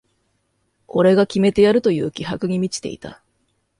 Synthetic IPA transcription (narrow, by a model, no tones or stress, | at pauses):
ko̞ɾe̞ɡakʲime̞t̪e̞jaɾɯ̟t̪o̞jɯ̟ːkʲiɦakɯ̟ɲ̟imʲit͡ɕi̥t̪e̞̰ḭt̪a̰